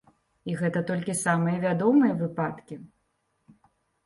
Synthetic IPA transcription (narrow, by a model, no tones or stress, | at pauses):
iɣɛt̪ɐt̪ɔlʲkʲisamɨjɐvʲad̪ɔmɨjɐvɨpat̪kʲi